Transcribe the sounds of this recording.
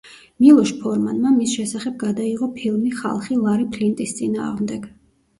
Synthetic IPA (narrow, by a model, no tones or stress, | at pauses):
milˠɔʃpʰɔɾmanmamisʃɛsaχɛb̚ɡad̪aiʁɔpʰilˠmiχa̰lˠχilˠaɾipʰlint̪ʼist̪sʼina̰ːʁmd̪ɛɡ̥